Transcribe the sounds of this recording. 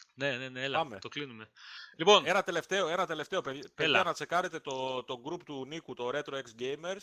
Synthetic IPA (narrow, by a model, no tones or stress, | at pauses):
ne̞neneelɐɐme̞t̪oklinume̞lipo̞nenɐt̪e̞le̞ft̪e̞o̞e̞nɐt̪e̞le̞ft̪e̞opeðpelɐnɐt͡se̞kɐɾe̞t̪e̞t̪o̞t̪o̞ɡɾupt̪unikut̪o̞ɾet̪ɾoeksɟejme̞ɾs